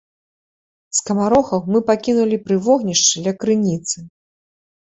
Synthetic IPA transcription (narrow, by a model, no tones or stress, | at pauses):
skɐmaɾɔxɐwmɨpakʲinulʲipɾɨvɔɣnʲiʂt͡ʂɨlʲɐkɾɨnʲit̪sɨ